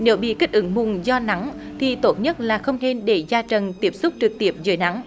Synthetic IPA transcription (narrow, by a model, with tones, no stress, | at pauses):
ne˨˦wɓḭ˧˨ki˦˥k̟̚ʔɨ˨˦ŋmʊ˨˩ŋzɔ˧na˨˦ŋt̪ʰi˨˩t̪o˦˥t̚ɲə˦˥t̚laː˨˩xə˧wŋ͡mne˧nɗe˧˩zaː˧t͡ɕə˨˩nt̪i˦˥əp̚sʊ˦˥k͡p̚t͡ɕɨ˨˩k̚t̪i˦˥əp̚zəː˨˦jna˨˦ŋ